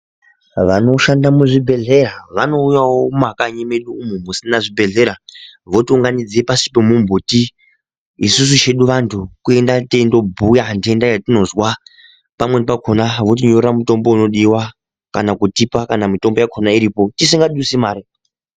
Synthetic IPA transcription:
ʋano̞ʃandamuʐibʱe̞ɮe̞ɾaʋano̞ujawomakaɲeme̞ɗuːmumusinaʐibʱe̞ɮe̞ɾaʋo̞tiuŋɡanid͡ziepasi̥pemumbʱutiː | sus̬ut͡ʃe̞ɗuʋantʰukue̞ndate̞ndo̞bʱujandiendajatino̞zwa | pamwenpakʰonaʋo̞t̬iɲorramuto̞mbouno̞ɗiwa | kanakutipakanamito̞mbo̞jakʰonaiɾiːpo̞tisiŋɡaɗuisimaːɾi

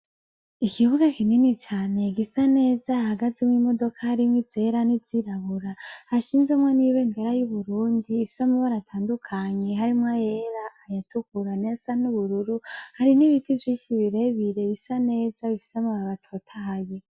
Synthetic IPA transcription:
ikiβuɡakininit͡ʃaːne̞ɡisane̞ːzahaɡazimwimo̞do̞kʰahaɾimŋwiz̥eɾaniziɾaβuɾahaʃiːnzemwaniβe̞ːndeɾajuβuɾuːndiːfi̥semuβoɾatʰaːndukʰaɲe̞ɦaɾimŋajeɾaːjatukuɾanezanuβuɾuɾuhaɾiniβitʰivjiːʃiβiɾe̞βiɾe̞βisane̞ːz̥aβifi̥semuβaβatʰo̞tʰahaje

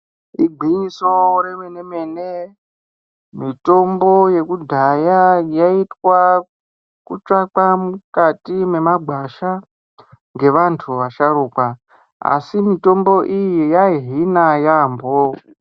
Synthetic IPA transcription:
iɡ͡ǃʱiɲiso̞ɾemenemene | mito̞mbo̞je̞kudʱajajaitwa | kut͡ʃak͡pamukatime̞maɡʱaʃa | ŋɡe̞ʋantʰuʋaʃaɾuːkwa | a̰simito̞mbo̞ʔijijaɦinajaːmbo

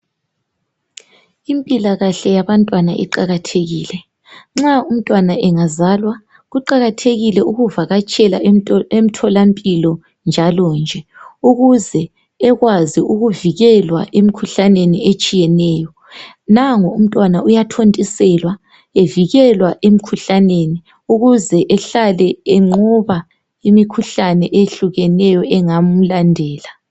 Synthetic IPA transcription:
impʼilaɣaɬɛjaβantʼwanaʔḭǃaɣatʰeɣiːlɛ | ŋ͡ǁaum̩tʼwanaʔɛŋazaːlwa | ɣuǃaɣatʰeɣilɛuɣuvaɣat͡ʃʼɛlaem̩tʰɔlampʼilɔ | nd͡ʒʱalɔnd͡ʒʱɛuɣuzɛː | ɣwaziuɣuviɣɛlwa̰ʔemikʰuɬaneniet͡ʃʼijɛnɛːjɔ | naŋɔum̩tʼwanaʔujatʰontʼisɛlwa | eviɣɛlwaʔemikʰuɬaneni | uɣuzɛʔɛɬalɛɛŋ͡ǃɔβa | imikʰuɬanɛʔeɬuɣɛnɛjɔɛŋam̩landʱɛːla

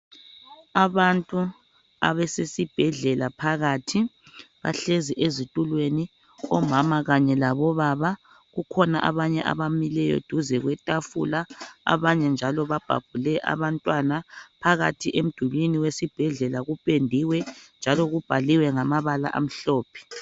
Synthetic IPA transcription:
aβantʼu | a̰βɛsesib̥ʱɛɮɛlapʰaɣaːtʰi | βa̰ɬeziʔezitʼulweni | ɔmamaɣaɲɛlaβɔβaβa | ɣukʰɔna̰ʔa̰βaɲɛʔa̰βamilɛjɔ̰d̥ʱuzɛɣwɛtʼafṵlaa̰βaɲɛnd͡ʒʱalɔβab̥ʱa̰b̥ʱulɛʔa̰βantʼwanapʰaɣa̰tʰiʔem̩d̥ʱuβiniwesib̥ʱɛɮɛlaɣupʼendʱiwɛnd͡ʒʱalɔɣub̥ʱaliwɛŋamaβala̰ʔa̰m̩ɬɔːpʰɛ̥

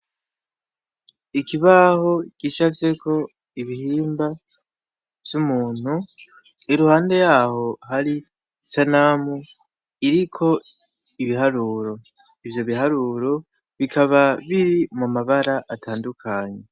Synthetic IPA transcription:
ikiβaho̞ɡ̥iːʃavje̞kʰo̞ | iβihiːmba | v̥jumuːn̥hu | iɾuhaːnde̞jaːho̞haɾi | sanamu | iɾikʰo̞iβiɦaɾuːɾo̞ | ivjo̞βihaɾuːɾo̞ | βikʰaβaβiɾimumaβaɾaʔatʰaːndukʰaɲe̞

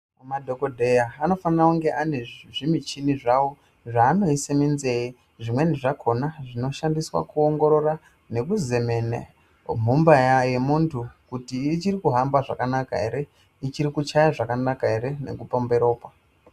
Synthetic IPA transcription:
madʱo̞kodʱe̞jaano̞fanirauŋɡe̞ʔane̞ʐimit͡ʃiniʐawo | ʐaːno̞iseminzeji | ʐimwe̞niʐakʰo̞naʐino̞ʃandiswa̰kuo̞ŋɡo̞ɾo̞ra | ne̞kuze̞menḛ | m̤umbajaje̞muntʰukutiːt͡ʃiɾikuɦambaʐa̰kanaka̰ɦe̞ɾe̞ | it͡ʃiɾikut͡ʃajaʐakanakae̞ɾe̞ne̞̰kupombe̞ɾo̞ːpa

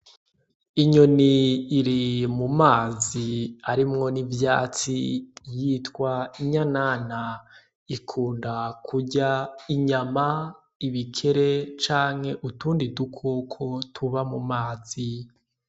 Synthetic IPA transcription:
iɲo̞niːɾimumaːziaɾimŋo̞nivjaːt͡sijitkwaiɲanaːna | ikʰuːndakʰuɟaiɲama | iβikʰe̞ɾe̞t͡ʃaːŋhe̞ʔutuːndidukʰokʰotʰuβamumaːzi

